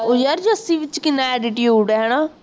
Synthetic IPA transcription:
ojaɾd͡ʒəsĩːʋɪt͡ʃkɪnãɛːɖɪʈjuːɽɛɦɛɽ̃aː

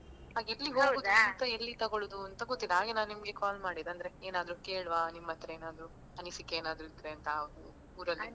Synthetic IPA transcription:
ɦaːɡelːiɦoːud̪ɐnt̪ɐelːit̪ɐɡoɭud̪uɐnt̪ɐɡot̪ːid̪eaːɡenaːnnimɐɡe̞kaːlmaːɽid̪eɐnd̪ɐɾe̞eːnaːd̪ɾukeːɭʋaːnimːɐt̪ːɾeeːnaːd̪ɾu | ɐnisikːeeːnaːd̪ɾuit̪ːɾeɐnt̪ɐːʋɐd̪u | uːɾɐli

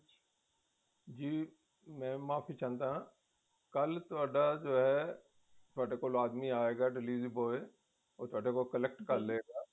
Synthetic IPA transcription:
d͡ʒiː | mɛ̃ːmaːfit͡ʃãːnt̪aɦãː | kɐlt̪ʊaːɖad͡ʒoːɦɛ | t̪ʊaːɖekolaːd̪miaːeːɡaːɖɪliːziboːe | oːt̪ʊaːɖekokəlɛk̚ʈkɐɾleːɡaː

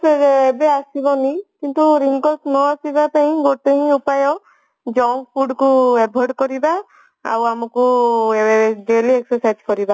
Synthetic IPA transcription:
peɾebeasibɔnikint̪uɾiŋkɔlsnɔasibapaɦĩɡoʈeɦĩupajɔ | d͡ʒɔw̃npʰuɖkuebʱɔɾɖkɔɾiba | a̰wamɔkueeɖelieksɔɾsajd͡ʒkɔɾiba

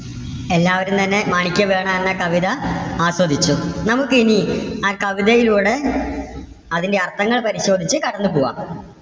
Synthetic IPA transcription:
elːaːʋɐɾumt̪ɐnːe̞maːɳikʲːɐʋe̞ːɳaːenːɐkɐʋiðɐaːswɐd̪ʱit͡ɕːunɐmukːɨiniaːlkɐʋiðɐjiluːɽe̞ | ɐðindeɐrt̪ʰːɐŋːɐɭpɐɾiɕo̞ːd̪ʱit͡ɕːɨkɐɽɐnːɨpoːʋa̰ːm

